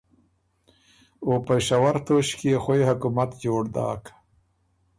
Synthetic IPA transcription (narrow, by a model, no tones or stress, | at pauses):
opəʃawaɾt̪oʃkeexojhakumat̪d͡ʒoːɽd̪ɑ̰ːk